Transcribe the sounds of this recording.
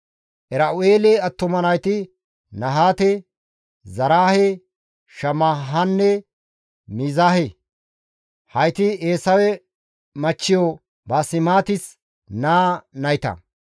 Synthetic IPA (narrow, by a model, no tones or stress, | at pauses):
ʔɛɾɐʔʊeːlɛɐt̪ːʊmɐnɐjt̪ɪ | nɐɦaːt̪ɛ | zɐɾaːhe | ʃɐmaɦɐnːɛ | mizaːɦɛ | hɐjt̪ɪeːsɐwɛ | mɐt͡ʃːɪjo | bɐsɪmaːt̪ɪs | naːnɐjt̪ɐ̰